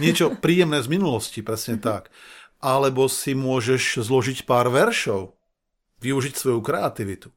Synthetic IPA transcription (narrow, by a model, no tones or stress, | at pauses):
ɲɪɛt͡ʃɔpɾiːjɛmnɛːzminulɔscipɾɛsɲɛt̪akʔalɛbɔsimʊɔʒɛʃzlɔʒicpaːɾʋɛɾʃɔʊ | ʋiuʒicsʋɔjukɾɛat̪iʋit̪u̥